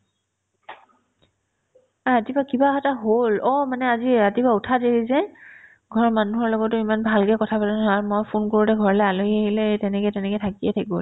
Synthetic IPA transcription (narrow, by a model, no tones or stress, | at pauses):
ɹatibakibaɦataɦolɔmanɛaziɹatibautʰadeɹizɛ | ɡʱɔɹmanuɦɔɹlɔɡɔtʊimanbʱalkɛkɔtʰapatanɔaɹmojpʰonkoɹutɛɡʱɔɹɔlɛaloieɦilɛtɛnɛkɛtɛnɛkɛjtʰakiɛtʰakibol